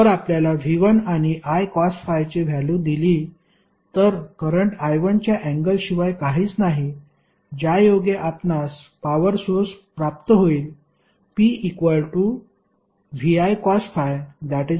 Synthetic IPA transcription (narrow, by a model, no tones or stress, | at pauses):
əɾapljalaʋʱiʋənaɽ̃iʔajkɔsʈfajt͡ɕeʋʱjalũd̪ili | t̪əɾkəɾəɳʈajʋənt͡ɕjaʔɛ̃ŋɡəlɕiʋajkaɦiːt͡snaɦi | d͡ʑajoɡeʔapnaspaʋəɾsoɾspɾap̚t̪əɦoiːl | piːikʋəlʈu | ʋiajkɔsʈfajd̪ɛʈi